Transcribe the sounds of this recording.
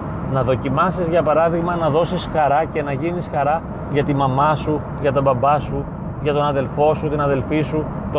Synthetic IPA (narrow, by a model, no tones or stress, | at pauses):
nɐðo̞cimɐsizʝɐpɐɾɐðiɣmɐnɐðo̞sisxɐɾɐce̞nɐʝinisxɐɾɐ | ʝɐt̪imɐmɐsu | ʝɐt̪ɐbɐbɐsu | ʝɐt̪o̞nɐðe̞lfo̞sut̪inɐðe̞lfisu | t̪o